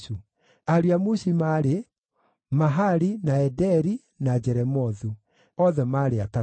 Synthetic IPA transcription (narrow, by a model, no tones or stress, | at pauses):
u | aɾiamuɕimaɾe | maɦaɾinaɛdɛɾi | nad͡ʑɛɾɛmɔðu | ɔðɛmaːɾeata